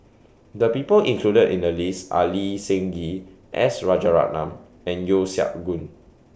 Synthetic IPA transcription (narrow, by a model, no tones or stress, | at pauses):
dəpipəlʔĩŋkʰludədḭ̃ndəlisʔa̰lisɛ̃ŋɡi | ʔɛsɹad͡ʒaɹa̰ʔ̚nãm | ɛ̃njosja̰ʔ̚ɡũn